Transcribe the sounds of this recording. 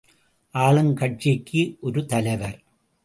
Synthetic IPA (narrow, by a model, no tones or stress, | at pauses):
ʔaːɭɐnkɐʈ̚t͡ʃikʰːiʔɔɾɯt̪ɐlɐɪʋɐɾ